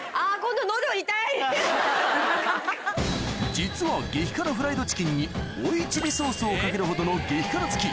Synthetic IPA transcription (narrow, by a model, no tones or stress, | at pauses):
aːkõnd̪onoːd̪eoit̪ai | d͡ʑit͡sɨβaɡe̞çʲi̥kanoɸɯ̟ɾaid̪o̞t͡ɕi̥kʲĩɲ̟ːi | oit͡ɕibʲiso̞ːsɨokake̞ɾɯ̟ɦo̞d̪o̞no̞ɡe̞çʲi̥kanɾat͡sɨ̥kʲi